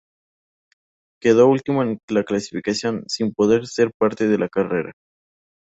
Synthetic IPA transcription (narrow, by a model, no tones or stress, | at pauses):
ke̞ðo̞ult̪imoeŋlaklasifikasjo̞nsimpo̞ðe̞ɾse̞ɾpaɾt̪e̞ð̞e̞lakare̞ɾa̰